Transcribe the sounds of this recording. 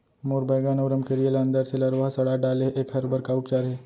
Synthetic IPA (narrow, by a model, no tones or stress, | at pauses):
moːɾbajɡaːnoːɾəmkeɾijələ̃nd̪əɾselɐɾʋaːsɐɽaɖaːleʔeːkɦɐɾbəɾkaʊpt͡ʃaːɾɦɛː